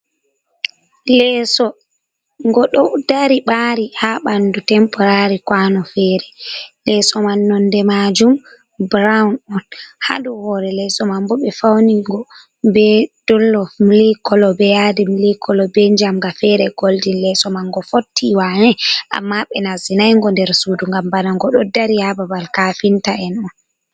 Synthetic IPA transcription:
lɛsɔ | ŋɡɔɗɔwdaɾiɓaɾihaɓandutɛmpɔɾaɾikwanɔfɛɾɛlɛsɔmanːɔndɛmad͡ʒum | bɾaunɔnha̰duhɔɾɛlɛsɔmambɔɓɛfawniɡɔ | bɛd̥ɔlːɔmlikɔlɔbɛjadimilikʰɔlɔbɛd͡ʒamɡafɛɾɛɡoldinlɛsɔmanɡɔfotːiwaɲɛʔa̰mːaɓɛnazinajŋɡɔndɛɾsuduŋɡambanaŋɡɔɗɔdaɾihababalkafintaɛnɔn

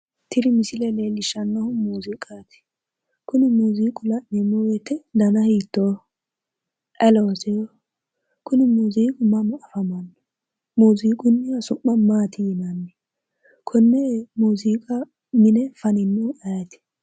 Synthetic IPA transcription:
t̪ʰɪɾɪmɪsɪlɛlelɪʃɐnːɐhʊmuːzikʼaːt̪ɪ̥ | kʊnɪmuːziːkʼʊlɐʔɛmɔwɛt̪ːɛd̪ɐnɐhiːt̪ːoː | ʔɛloːsɛjɔ | kʊnɪmuːziːkʼʊmɐmɔʔɐfɐmɐnːɔ | muːziːkʼʊnːɪjɐsʊmːɐmaːt̪ʰɪjɪnɐnːɪ | kʰʊnːɛmuːziːkʼɐ | mɪnɛfɐnɪnːʊɛjɐt̪ɪ̥

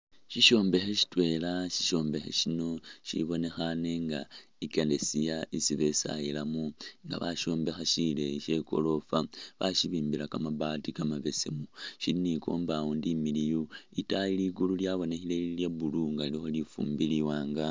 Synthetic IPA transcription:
ʃiʃo̞ːmbe̞xeʃi̥twe̞laʃi̥ʃo̞ːmbe̞xḛʃino̞ʃḭβo̞ne̞xane̞ŋɡa̰ | ikele̞sijaisiβe̞sa̰jilamuŋɡa̰βaʃo̞ːmbe̞xaʃile̞ʃe̞ko̞̰lo̞faβaʃiβiːmbilakamaβaːtikamaβe̞semuʃiliniko̞̰ːmbawondimilijoitajiliɡululjaβo̞ne̞xileiljaβuluŋɡalixo̞lifṵːmbiliwaːŋɡa

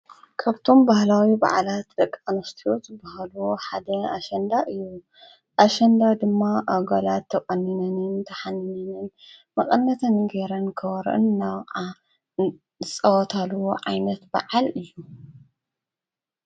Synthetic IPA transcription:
kʰaβt̪ʰo̞mbahlawiba̰ʕalat̪d̪ɐkʼːanɐst̪ʰiozɨbahaluħad̪ɐaʃɐnd̪aʔɨjːu | ʔaʃɐnd̪ad̪ɨmːaʔaɡalat̪ʰːɐkʼɐnːinɐnɨnt̪ʰɐħanɐnɨn | mɐqʼɐnːɐt̪ʰɐnɡeɾɐnkʰɐwɐɾʔɨ̰nːawʼa | zɨt͡sʼɐwɐt̪ʰaluwoʕajnɐt̪bɐ̰ʕalɨjːu

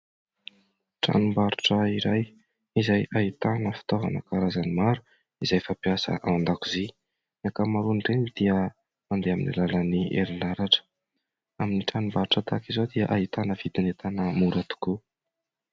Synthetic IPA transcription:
ʈ͡ʂa̰numbaɾuʈ͡ʂəiɾaj | izajʔait̪anəfi̥t̪ova̰nəkaɾazanimaɾu̥ | izajfapiasə̰ʔaand̪akuzi | akamaɾuɳɖ͡ʐenid̪̥iə | and̪eamḭnḭlaləniḛɾilaɾaʈ͡ʂə̥ | aminiʈ͡ʂanumbaɾuʈ͡ʂət̪akizod̪iəʔaɦit̪anəv̥id̪inet̪anəmuɾat̪u̥ku

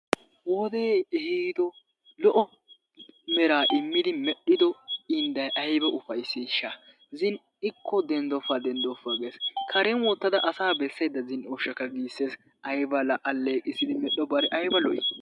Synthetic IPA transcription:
wɔd̪eɛhiːd̪ɔ | lɔʔɔ | mɛɾaːʔɪmːɪd̪ɪmɛɗːɪd̪ɔɪnd̪ɐjʔɐjbɛʔʊfɐjsːiʃːa | zɪn | ɪkʰːɔd̪ɛnd̪ɔfːaːd̪ɛnd̪ɔfːɐɡeːskʰɐɾɛnwɔt̪ːɐd̪ɐʔɐsaːbɛsːɐjd̪ːɐzɪnɔːʃɐkːɐɡiːsːeːs | ʔɐjbɐlɐʔɐlːeːkʼːɪsɪd̪ɪmɛɗːɔbɐɾɛʔɐjbɐlɔʔɪ

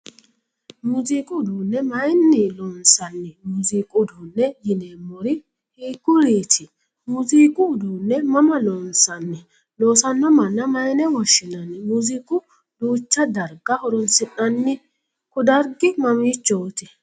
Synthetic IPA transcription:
mʊziːkʼʊd̪uːnːɛmɐjnːɪlɔnsɐnːɪmʊziːkʼʊd̪uːnːɛjɪneːmːɔɾɪ | hiːkːʊɾiːt̪ʰɪ | mʊziːkʼʊd̪unːɛmɐmɐlɔnsɐnːɪ | loːsɐnːɔmɐnːɐmɐjnɛwɔʃːɪnɐnːɪmʊziːkʼʊ | duːt͡ʃːɐd̪ɐɾɡɐhɔɾɔnsɪnɐnːɪ | kʊd̪ɐɾɡɪmɐmiːt͡ʃːɔt̪ɪ

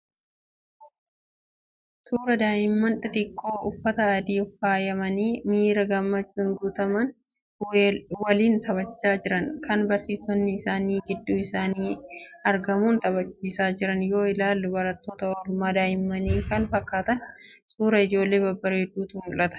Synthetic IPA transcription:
suːɾɐd̪aːʔɪmːɐnᶑɪt̪ɪkʰʼːoːʔʊfːɐt̪ɐːd̪iːfaːjɐmɐniːmiːɾɐɡɐmːɐt͡ʃːʊŋɡuːt̪ɐmɐn | wɐliːnt̪ɐβɐt͡ʃːaːd͡ʒɪɾɐŋkɐnbɐɾsiːsɔnːɪːsaːniːɡɪd̪ːuːɪsaːniːɐɾɡɐmuːnt̪ɐbɐt͡ʃːiːsaːd͡ʒɪɾɐnjo̞ːɪlaːlːʊbɐɾɐt̪ːoːt̪ɐɔdmaːd̪aːjɪmːɐniːkɐnfɐkːaːt̪ɐnsuːɾɐɪd͡ʒo̞ːlːe̞ːbɐbːɐɾeːd̪uːt̪uːnʊlʔɐt̪ɐ̥

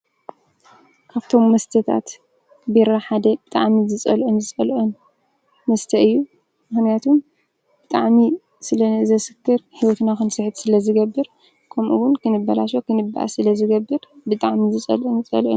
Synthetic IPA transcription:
kʰaβt̪ʰo̞mːɐst̪ʰɐt̪ʰa̰t̪ | biɾaħad̪ɐbɨt̪ʼaʕmizɨt͡sʼɐ̰lʔonzɨt͡sʼɐlʔon | mɐst̪ʰɐʔɨjːu | mɨxnijat̪ʰum | bɨt̪ʼaʕmi | sɨlɐnɨʔɨzɐsɨ̥kːɨɾhiwɔt̪naxɨnsɨħɨt̪sɨlɐzɨɡɐbːɨɾ | kʰɐmʔṵwʊnkɨnɨbːɐla̰ʃokɨnɨbːa̰ʔa̰sɨlɐzɨɡɐbːɨɾbɨt̪ʼaʕmizɨt͡sʼɐ̰lʔunɨt͡sʼɐ̰lʔṵ

